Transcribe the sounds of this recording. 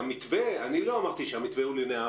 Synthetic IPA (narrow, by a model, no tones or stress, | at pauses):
amit̪veanilo̞amaʁt̪iʃeamit̪veulenea